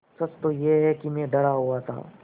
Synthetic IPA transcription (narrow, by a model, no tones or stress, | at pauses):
sɐt͡ʃt̪ojeɦɛkimẽɖɐɽaɦuat̪ʰa̰ː